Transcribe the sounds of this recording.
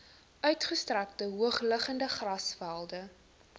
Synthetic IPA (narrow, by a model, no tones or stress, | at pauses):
ʔœɥtχəstræk̚təɦuəχləχəndəχrɐsfælˠdə